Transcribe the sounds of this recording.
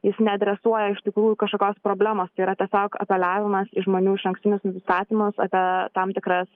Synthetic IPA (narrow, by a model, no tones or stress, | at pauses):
jɪsnʲɛɐd̪ʲɾʲɛsuɔjɛɪʃt̪ʲɪkɾuːjukɐʃkoːkʲoːspɾoːbʲlʲæːmoːst̪ɐɪiɾɐt̪ʲɛsʲoːkɐ̰pʲɛlʲɑːʋʲɪmɐsɪʒmoːnʲuːɪʃɐŋksʲt̪ɪnʲʊsnʊsʲɪst̪ɑːt̪ʲimʊsɐ̰pʲiɛt̪ɐmt̪ʲɪkɾɐs